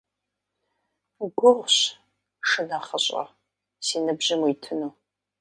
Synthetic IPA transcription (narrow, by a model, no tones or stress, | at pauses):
ɡʷʊʁʷɕ | ʂɨnaχəɕʼɐ̰ | siːnɨbʒɪmujtʰɨnuː